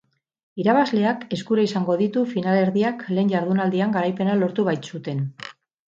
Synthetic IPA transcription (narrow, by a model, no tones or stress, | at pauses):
iɾaβ̞azle̞ake̞skuɾaisaŋɡo̞ðit̪ufinale̞ɾðiakle̞ːɲɟaɾð̞unald̪iaŋɡaɾajpe̞nalo̞ɾt̪uβajt̪sut̪e̞n